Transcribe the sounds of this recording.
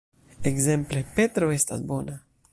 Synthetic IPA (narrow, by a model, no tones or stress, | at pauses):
eɡzemplepet̪ɾoest̪a̰sbo̞na